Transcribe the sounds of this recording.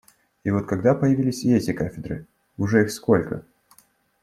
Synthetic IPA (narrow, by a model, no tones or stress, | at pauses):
ivo̞t̪̚kɐɡd̪apəjɪvʲilʲɪsʲɛtʲɪkafʲɪd̪ɾɨ̰ | ʊʐɛixsko̞lʲkə̰